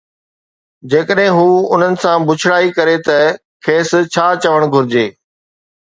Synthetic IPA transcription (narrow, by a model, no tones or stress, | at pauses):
d͡ʑeːkəɗɦɪ̃ɦuːʊn̤ənɪ̆sãbʊt͡ɕʰɪɽaːikɐɾet̪ɐ | kʰeːst͡ɕʰaːt͡ɕɐʋəɽ̃ɡʱʊɾɪd͡ʑeː